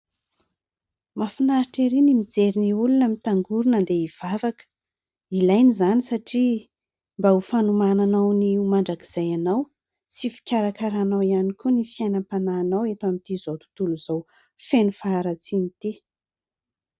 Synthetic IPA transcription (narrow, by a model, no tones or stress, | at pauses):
mafinaɾiʈ͡ʂeɾinimid͡zeɾiniulunəmit̪aŋɡuɾunənd̪eiv̥avakə̥ | ilajnizanisaʈ͡ʂi | mbaufanumananawniumaɳɖ͡ʐakiz̥ajanaw | sifi̥kʲaɾakaɾanawianikunifiajnəmpanaːnawet̪amint̪izot̪u̥t̪uluz̥aw | fenufaːɾat͡sinit̪i